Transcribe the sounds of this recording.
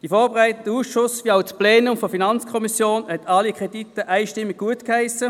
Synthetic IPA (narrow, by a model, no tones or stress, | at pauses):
d̥ifɔːɐbeʁæɪtəndəuːsʃʊsviːaʊt͡splɛːnʊmfofinɑnt͡skʰɔmisjoːnhɛtʰɑlikʁ̥ɛditəʔæɪʃtɪmːiɡ̚ɡuətkhæɪsə